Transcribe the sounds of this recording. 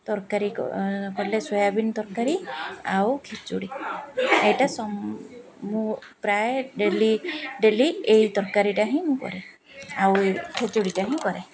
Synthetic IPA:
t̪ɔɾkaɾikkɔlesɔjabinɔt̪ɔɾkaɾiawkʰet͡ʃuɽi | ejʈasɔ | mu | pɾajeɖeliɖeliejt̪ɔɾkaɾiʈaɦĩmũkɔ̰ɾe | awkʰet͡ʃuɽiʈaɦĩkɔɾe

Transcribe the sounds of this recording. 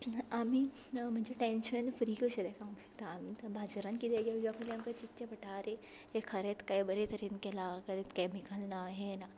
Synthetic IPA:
amiː | m̤əɳd͡ʑeʈẽnɕənfɾiːkəɕəd̪ɛkaũʈɕə̥kt̪aːmibʱad͡zəɾankit̪eɡaʋiakʰuliamkat͡ɕit̪ːɕepəʈʰaːɾe | ɦekʰəɾet̪kajbəɾet̪əɾenkelakʰəɾet̪kajmikəlnaɦena

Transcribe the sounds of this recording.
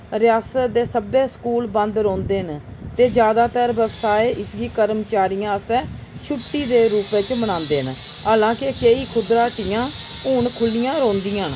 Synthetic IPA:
ɾɪjaːsət̪d̪eːsəbeːskuːlbə̃nd̪ɾõːnd̪eːɦənt̪eːd͡ʒjaːd̪aːt̪əɾʋəbsaːeːʔɪsɡiːkəɾmt͡ʃaːɾijãːəst̪ɛ̃ː | t͡ʃʰʊʈːiːd̪eːɾuːpeːt͡ʃmənãːnd̪eːɦənɦaːlãːkekeːiːkʰʊd̪ɾaːʈɪjãː | ʊːɳkʰʊlːɪjãːɾõːnd̪iːãːn

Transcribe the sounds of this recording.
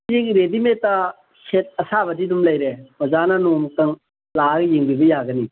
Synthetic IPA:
ziŋɾedimetːa | set̚ɐsabɐdidumlɐjɾemɐzananomkɐŋ | laɡjiŋbibɐjaɡɐni

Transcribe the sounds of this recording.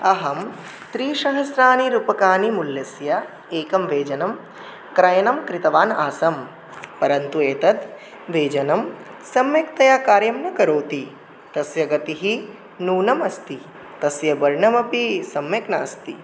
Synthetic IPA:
ɐɦɐm | t̪ɾiːʃɐɦɐsɾaːniɾupɐkaːnimuljɐsjɐ | eːkɐmʋeːd͡ʒɐnɐm | kɾɐjɐnɐmkɾit̪ɐʋaːnaːsɐm | pɐɾɐnt̪ueːt̪ɐt̪ | ʋeːd͡ʒɐnɐmsɐmjɐkt̪ɐjaːkaːɾjɐmnɐkɐɾoːt̪i | t̪ɐsjɐɡɐt̪iɦi | nuːnɐmɐst̪i | t̪ɐsjɐbɐɾɳɐmɐpisɐmjɐknaːst̪ḭ

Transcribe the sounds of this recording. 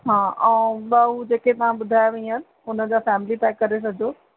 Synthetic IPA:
ɦãːʔɛ̃ːɓaɦud͡ʑeːket̪ɐʋ̤ãɓʊd̪ʱaːjʋɐĩən | ʊnə̆d͡ʑaːfɛːmɪlit̪aːɪ̃kɐɾes̬ɐd͡ʑʱoː

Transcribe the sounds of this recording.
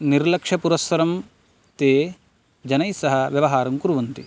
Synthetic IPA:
niɾlɐkʂɐpuɾɐsʋɐɾɐm | t̪eː | d͡ʒɐnɐjsɐɦɐ̆ʋjɐʋɐɦaːɾɐmkuɾuʋɐnt̪i

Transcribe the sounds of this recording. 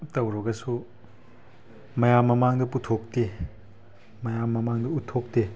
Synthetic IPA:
tɐwɾɔɡɐsu | mɐjamːɐmaŋdɐputʰok̚te | mɐjamːɐmaŋdɐutʰːok̚te

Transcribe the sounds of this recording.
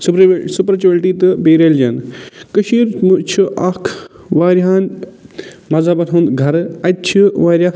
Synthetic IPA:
supɾsupɾt͡ʃelʈiːt̪ɨbeːɾeld͡ʒɐnkəʃiːɾmut͡ʃʰuʔɐkʰ | ʋaːɾɦaːn | mɐzaːbɐʈʰuːnd̪ɡʱɐɾɐtt͡ʃʰiʋaːɾʲjaː

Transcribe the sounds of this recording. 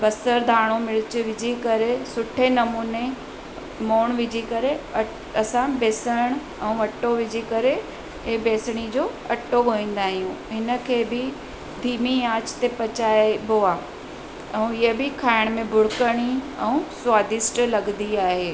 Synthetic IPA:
bɐsəɾd̪ʱaːɽ̃omɪɭɪt͡ɕʊ̆ʋɪd͡ʑʱikɐɾesʊʈʰenɐmuːne | moːɽ̃ʋɪd͡ʑʱikɐɾe | ɐsãbeːsəɽ̃ | ɛ̃ũːʋɐʈoʋɪd͡ʑʱikɐɾe | beːsɽ̃id͡ʑoːɐʈoɡʱoĩːn̆d̪aːɦijũːɦɪnə̆kʰeːbɪ | b̪ʱiːmiaːt͡ɕt̪epɐt͡ɕaːeboːaː | ɛ̃ũɪɦəbɪkʰaːɪɽ̃mẽbʱʊɽɪkəɽ̃iɛ̃ũswaːd̪ɪsʈlɐɡnd̪iaːɦeː

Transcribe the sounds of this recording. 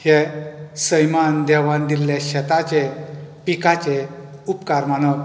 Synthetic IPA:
hɛsəjmand̪ɛʋãnd̪iljeɕɛt̪at͡ɕepikat͡ɕe | upkaɾmanək

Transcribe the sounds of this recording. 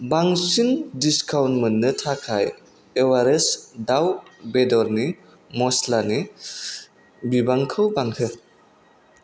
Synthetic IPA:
baŋsindiskawntmənːɯtʰakʰaj | ewaɾesdawbedɔɾni | mɔslani | bibaŋkʰɯwbaŋhɯ

